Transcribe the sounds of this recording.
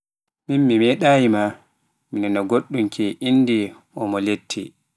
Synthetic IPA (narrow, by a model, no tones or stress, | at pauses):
minmimɛɗaːjima | minɛnɔɡoɗːumkʰiʔinːdi | ʔɔmɔletʰːi